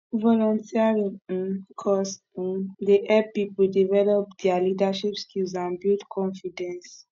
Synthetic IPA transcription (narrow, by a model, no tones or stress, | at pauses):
vɔlɔ̃ntʰiaɹĩŋ̩kʰɔs̩ | deʔɛpipldivɛlɔp̚dɛalidaʃipskʰilz̬ãnbutkʰɔ̃nfidɛ̃ns